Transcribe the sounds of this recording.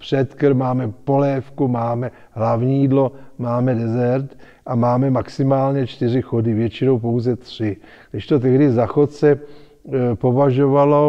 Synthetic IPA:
pr̥ɛt̪kɾmaːmɛpo̞lɛːfkumaːmɛ | ɦlavɲijːdlo̞maːmɛdɛzɛɾt̪ | ʔamaːmɛmaksɪmaːlɲɛt͡ʃt̪ɪr̝ɪxodɪvjɛt͡ʃɪno̞wpo̞wzɛt̪r̝̥ɪɡ̥dɪʃt̪o̞t̪̬ɛɦdɪzaxot̪sɛ | po̞vaʒo̞valo̞

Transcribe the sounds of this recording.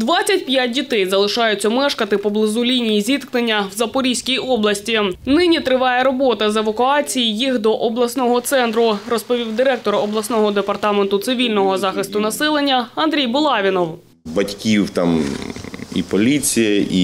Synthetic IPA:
d̪ʋɑt͡sʲːɐtʲpjat̚ʲdʲit̪ɛjzɐlˠɪʃɑjʊt͡sʲːɐmɛʃkɐt̪ɪpɔblˠɪzulʲinʲijizʲit̪knenʲːɐwzɐpɔɾʲisʲkʲijɔblˠɐsʲtʲinɪnʲit̪ɾɪʋɑjɛɾɔbɔt̪ɐzeʋɐkʊɑt͡sʲijijixd̪ɔʔɔblˠɐsnɔɦɔt̪sɛnt̪ɾʊrɔspɔʋʲiwd̪ɪɾɛk̚t̪ɔɾɔblˠɐsnɔɦɔd̪epɐrt̪ɑment̪ʊt̪sɪʋʲilʲnɔɦɔzɑxɪst̪ʊnɐsɛlˠenʲːɐɐnd̪ɾʲijbʊlˠɑʋʲinɔw | bɐtʲkʲiwt̪am | ḭpɔlʲit͡sʲijɐḭ

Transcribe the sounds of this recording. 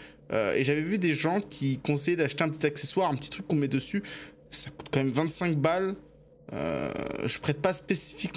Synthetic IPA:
ø̰ḛʒavɛvyd̪eʒɑ̃kʲʰikɔ̃sɛjɛd̪aʃt̪eɛ̃p̬ət̪it̪akseswaʁɛ̃pət̪i̥t̪χykːɔ̃mɛd̪əsy | saku̥t̪kɑ̃mɛmvɛ̃nt̪sɛ̃k̚bal | ø̰ʒəpχɛt̪̚paspesi̥fik

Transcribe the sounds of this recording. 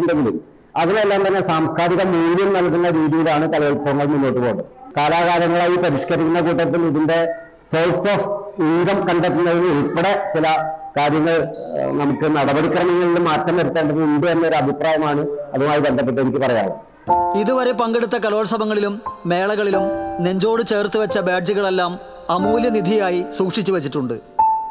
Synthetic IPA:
uɳɖeŋɡilil | ɐðinelːaːmt̪ɐnːe̞saːmskʰaːɾiɣɐmːuːljɐmnɐlkunːɐɾiːðijilaːɳɨkɐlo̞ːɭsɐbɐŋːɐɭmunːo̞ːʈːupo̞ːʈːɨkaːlaːɣaːlɐŋːɐɭaːjipɐɾiʂkɐɾikʲːunːɐkuːʈ̬ːɐt̪̬ːiliðinɖe̞ | selsoːfiŋɡɐmkɐɳɖet̪ːunːɐðinɨipːɐɽe̞t͡ɕilɐkaːɾjɐŋːɐɭnɐmukːɨnɐɽɐbɐɽikrɐmɐŋːɐɭilumːaːt̪rɐmɐɾut̪ːe̞ːɳɖɐðɨuɳɖenːɐoɾuɐbʱipraːjɐmaːɳɨɐðumaːjibend̪ɐp̬ːeʈːuenikʲːɨpɐrɐja̰ːɭɐ̰ | iðuʋɐɾe̞pɐŋɡe̞ɽut̪ːɐkɐlo̞ːɭɐsɐbɐŋːɐɭilumːe̞ːɭɐɣɐɭilumne̞ɲd͡ʑo̞ːɽɨt͡ɕe̞ːrt̪ːɨʋɐt͡ɕːɐbaːɖd͡ʑiɣɐɭe̞lːaːm | ɐmuːljɐnid̪ʱijaːjisuːkʂit͡ɕːuʋɐt͡ɕːiʈːuɳɖɨ

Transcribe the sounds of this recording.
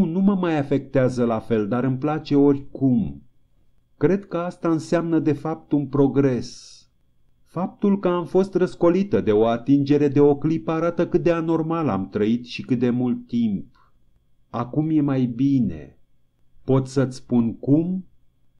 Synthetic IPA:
numəmajafe̞k̚t̪eazəlafe̞ld̪aɾɨmplat͡ʃe̞o̞rʲkum | kɾe̞d̪kəast̪aɨnseamnəd̪e̞fap̚t̪unpɾo̞ɡɾe̞s | fap̚t̪ulkəamfo̞st̪rəsko̞lit̪əd̪e̞o̞at̪ind͡ʒe̞ɾe̞d̪eo̞klipəaɾat̪əkɨt̪̚d̪eano̞rmala̰mt̪ɾəit̪ʃikɨt̪̚d̪e̞mult̪ːimp̚ | akumje̞majbine̞̰ | po̞t̪ʲsət̪sʲpunkum

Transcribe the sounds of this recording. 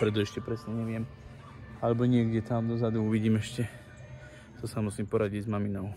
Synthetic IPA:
pɾɛt̪ɔɛʃcɛpɾɛsɲɛɲɛʋɪɛm | alɛbɔɲɪɛɡɟɛt̪amd̪ɔzad̪uuʋiɟiːmɛʃcɛ | t̪ɔsamusiːmpɔɾaɟiɟzmaminɔʊ

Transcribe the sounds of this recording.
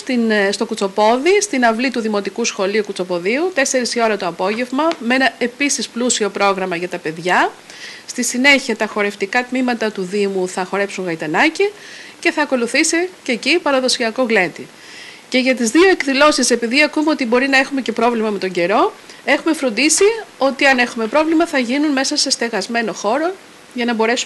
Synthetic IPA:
t̪inst̪o̞kut͡so̞po̞ðist̪inɐvlit̪uðimo̞t̪ikusxo̞liukut͡so̞po̞ðiut̪e̞se̞ɾisio̞ɾɐt̪o̞ɐpo̞ʝe̞vmɐme̞nɐe̞pisisplusio̞pɾo̞ɣɾɐmɐʝɐt̪ɐpe̞ðʝɐ | st̪isine̞çiɐt̪ɐxo̞ɾe̞ft̪ikɐt̪mimɐt̪ɐt̪uðimuθɐxo̞ɾe̞psuŋɣɐit̪ɐnɐcice̞θɐːko̞luθisice̞cipɐɾɐðo̞siɐko̞ɣle̞t̪i | ce̞ʝɐt̪izðio̞e̞kðilo̞sise̞piðiɐkume̞o̞t̪ibo̞ɾinɐe̞xume̞ce̞pɾo̞vlimɐme̞t̪o̞ɲɟe̞ɾo̞e̞xume̞fɾo̞nd̪isio̞t̪iɐne̞xume̞pɾo̞vlimɐθɐʝinunme̞sɐse̞st̪e̞ɣɐzme̞no̞xo̞ɾo̞ | ʝɐnɐbo̞ɾe̞su

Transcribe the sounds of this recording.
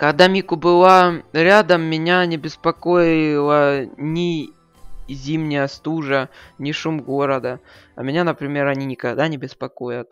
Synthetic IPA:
kɐɡd̪amʲikʊbɨlˠaɾʲad̪əmːʲɪnʲanʲɪbʲɪspɐko̞jɪlˠənʲɪ | zʲimnʲɪjəst̪uʐənʲɪʂumɡo̞ɾəd̪əɐ̰mʲɪnʲanəpɾʲɪmʲe̞ɾɐnʲinʲɪkɐɡd̪anʲɪbʲɪspɐko̞jət̪̚

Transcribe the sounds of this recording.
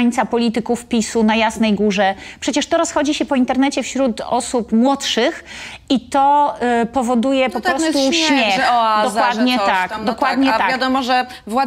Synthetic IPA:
ɲit̪sapɔlʲit̪ɘkufpʲisunajasnɛjɡuʐɛpʂɛt͡ɕɛʂt̪ɔɾɔsxɔd͡ʑiɕɛpɔint̪ɛɾnɛt͡ɕɛfɕɾut̪ɔ̰supmwɔtʂɘx | it̪ɔpɔvɔd̪ujɛpɔpɾɔst̪uɕmʲjɛxd̪ɔkwad̪ɲɛt̪akd̪ɔkwad̪̚ɲɛt̪akvjad̪ɔmɔʐɛ | vwa

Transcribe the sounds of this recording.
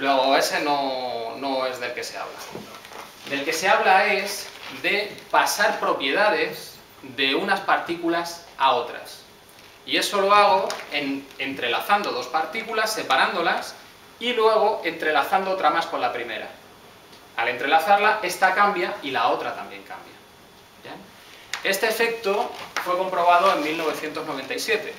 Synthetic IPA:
lwe̞ɣ̞oe̞se̞no̞no̞e̞zðe̞lke̞se̞a̰βla̰ | d̪e̞lke̞se̞aβ̞lae̞sðe̞pasaɾpɾo̞pje̞ð̞aðe̞s | ðe̞unaspaɾt̪ikulasao̞t̪ɾa̰s | ie̞so̞lo̞aɣ̞o̞enent̪ɾe̞laθand̪o̞ðo̞spaɾt̪ikulasːe̞paɾand̪o̞las | ilwe̞ɣ̞o̞e̞nt̪ɾe̞laθand̪oot̪ɾamasko̞nlapɾime̞̰ɾa̰ | ale̞nt̪ɾe̞laθaɾlae̞st̪akambjailao̞t̪ɾat̪ambje̞ŋka̰mbja | e | e̞st̪eːfe̞k̚t̪ofwe̞ko̞mpɾo̞β̞að̞o̞emmilno̞β̞e̞θje̞nt̪o̞zno̞β̞e̞nt̪ajsje̞t̪e̞

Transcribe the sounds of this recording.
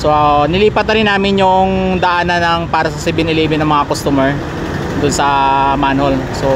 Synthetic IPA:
soʔnɪliːpɐt̪nɐɾɪnːaːmɪnjʊŋd̪ɐʔanɐnɐŋpaːɾɐsɐsɪbɪnɪliːbɪnɐŋmɐŋakost̪uːmɛɹ | d̪ʊnsɐmanholso

